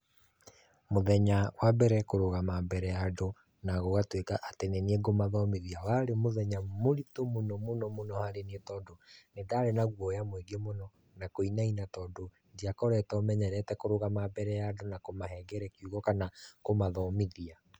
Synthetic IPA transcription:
moðɛɲawabɛɾɛkoɾoɣamabɛɾɛjado | naɣoɣatwekaʔateneneɡomaðɔmiðiawaɾemoðɛɲamoɾitomonɔmonɔmonɔhaɾenietɔdonedaɾenaɣwɔjamweɡemonɔ | nakoinainatɔːdo | ndiakɔɾɛtɔmɛɲɛɾɛtɛkoɾoɣamabɛɾɛjadonakomaɦɛɡɛɾɛkiuɣɔkanakomaðɔmiðia

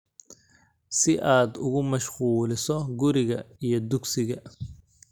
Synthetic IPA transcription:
sɪʔaːd̪ʊɣʊmɐʃquːlɪsɔɡʊɾɪɣɐijɔd̪ʊɡsɪɣɐ

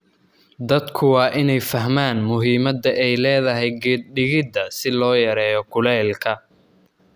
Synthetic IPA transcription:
d̪ɐd̪kʰʊwɑːʔɪnɛjfɐɦmaːnmʊɦiːmɐd̪ɐʔɛjlɛːðɐɦɛjɡɛːd̪̚ɖɪɣɪd̪ːɐsɪlɔːjɐɾɛːjɔkʰʊlɛːlkʰɐ

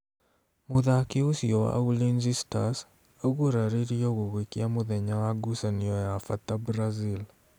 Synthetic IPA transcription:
muðakiusiowa̰ʔulinzistas | oɣuɾaɾiɾioɣuɣwikiamuðeɲawaɡusaniojafatabɾazil

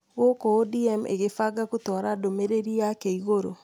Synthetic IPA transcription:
ɣokɔodiɛmʔḛɣefaɡakutɔɾadomeɾeɾiakeiɣoɾo

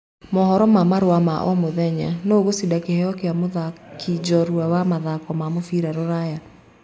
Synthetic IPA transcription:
mɔhɔɾɔmamaɾowamaʔɔmoðɛɲa̰noːɣosidakehɛɔkeamoðakʰid͡ʒɔɾwawamaðakwɔmamofiɾaɾoɾaja

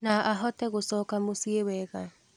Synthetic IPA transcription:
naʔaɦɔtɛɣosɔkamosiewɛɣa

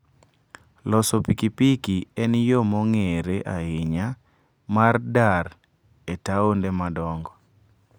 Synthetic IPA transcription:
lɔsɔpikipikiɛnjomɔŋeɾeʔaɪɲa | mardar | etaondemadɔŋɡɔ

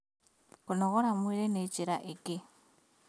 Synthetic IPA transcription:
kunoɣoɾamwiɾenet͡ʃiɾaʔeki

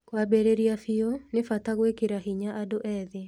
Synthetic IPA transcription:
kwabeɾeɾiafionefataɣwekeɾaɦiɲaʔadoʔɛðe

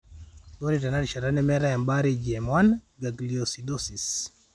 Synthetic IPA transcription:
bonitanaɾʃaɾanɛmɛɾajambaɾid͡ʒɛmwan | ɡaɡliosidosis

